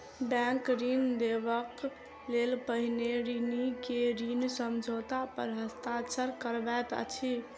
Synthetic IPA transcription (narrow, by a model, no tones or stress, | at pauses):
bɛ̃ŋkɾind̪eβək | lelpəɦineɾinikeɾinsəmd͡ʒʱot̪apəɾɦəst̪at͡ʃəɾkəɾbɛt̪ə̰t͡ʃʰi